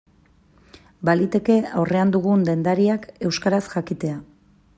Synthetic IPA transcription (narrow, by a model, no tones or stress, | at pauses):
balit̪e̞ke̞awre̞and̪uɣ̞und̪e̞nd̪aɾiake̞wskaɾasʝakit̪e̞a